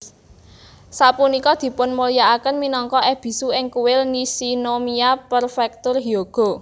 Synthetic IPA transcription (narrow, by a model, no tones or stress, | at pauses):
sapunikɔd̪̥i̤pʊnmulijaakənminɔŋkɔʔɛb̥i̤suɪŋkuwɪlnisinomiapərfɛk̚t̪ʊrɦioɡ̥ɔ̤